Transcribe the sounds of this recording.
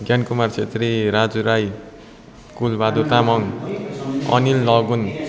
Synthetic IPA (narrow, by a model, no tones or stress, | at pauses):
ɡjankumart͡sʰet̪riɾad͡zuɾaj | kulbad̪ut̪amʌŋ | ʌ̰nilːʌɡun